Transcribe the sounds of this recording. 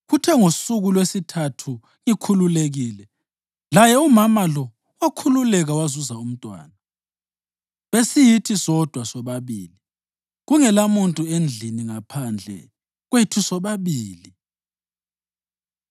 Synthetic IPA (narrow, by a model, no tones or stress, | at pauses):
ɣutʰɛŋosuɣulwesitʰatʰu | ŋikʰululeɣiːlɛ | lajɛumamalɔ | wakʰululɛɣawazuzaum̩tʼwa̰ːna | βesijitʰisɔd̥ʱwasɔβaβiːli | ɣuŋɛlamuntʼuend͡ɮʱiniŋapʰand͡ɮʱɛ̰ | ɣwetʰusɔβaβiːli